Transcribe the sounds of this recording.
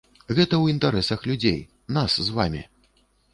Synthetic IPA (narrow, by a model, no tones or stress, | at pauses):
ɣɛt̪ɐwint̪aɾɛsɐxlʲud͡zʲḛj | naszva̰mʲḭ